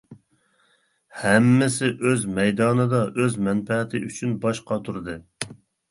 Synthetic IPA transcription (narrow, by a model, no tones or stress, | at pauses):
hɛmːɪsɪʔøzmɛjd̪ɑːnɨd̪ɑʔøzmɛnpɛʁɪt̪ʰɪʔyt͡ʃʰynbɑʃqʰɑt̪ʰuɾɨd̪ɨ